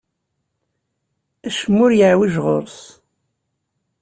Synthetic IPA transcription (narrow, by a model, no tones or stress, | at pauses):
æʃəmːʊɾjəʕwiʒʁo̰ɾˤs